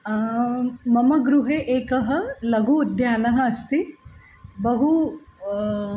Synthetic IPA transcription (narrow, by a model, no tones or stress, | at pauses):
mɐmɐɡɾuɦeʔeːkɐɦɐlɐɡʱuːd̪ʱjaːnɐɦɐɐst̪i | bɐɦu